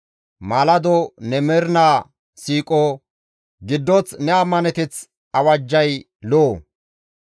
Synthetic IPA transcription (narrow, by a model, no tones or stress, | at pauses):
malɐd̪ɔnɛmɛɾnaː | siːkʼɔ | ɡɪd̪ːɔt͡snɛɐmːɐnɛt̪ɪt͡s | ɐwɐd͡ʒːɐj | loː